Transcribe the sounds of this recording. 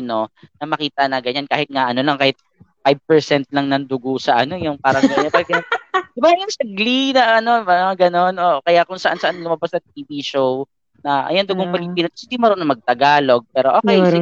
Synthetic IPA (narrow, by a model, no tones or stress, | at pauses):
no̞nɐmɐkiːt̪ɐnɐɡɐɲankaːhɪt̪̚ŋaʔɐno̞lɐŋkaːhɪt̪̚ | fajb̚pɛɹsɛnt̪̚lɐŋnɐŋd̪ʊɡosɐʔɐno̞jʊŋpaːɾɐɐpɐɡd̥̪ɪbaɐjɐŋsɐɡlinɐʔɐno̞baɐɡɐno̞nʔoʔkɐjakʊŋsɐʔansɐʔanlʊmɐbasnɐŋt̪̚iviʃow | nɐʔɐ̰jond̪ʊɡoŋpɪlɪpiːnot̪ɐsɪnd̪imɐɾonɐŋmɐɡ̚t̪ɐɡaːlo̞ɡ̚pɛːɾoʔoːkɛj